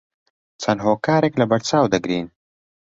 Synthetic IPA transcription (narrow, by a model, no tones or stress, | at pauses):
t͡sɐnɦoːkaːɾeːklɐbɐɾt͡saːwd̪ɐɡɾiːn